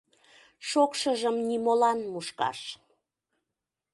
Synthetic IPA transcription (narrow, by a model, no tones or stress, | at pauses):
ʃokʃəʒəmnimolɑnmuʃkɑ̰ʃ